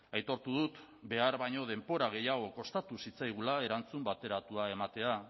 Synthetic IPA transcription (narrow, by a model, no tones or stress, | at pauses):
ajt̪o̞ɾt̪uð̞ut̪ | be̞aɾβajɲo̞ð̞e̞mpo̞ɾaɣ̞e̞jaɣ̞o̞ko̞st̪at̪usit͡sajɣ̞ulae̞ɾant͡sumbat̪e̞ɾat̪uae̞mat̪e̞a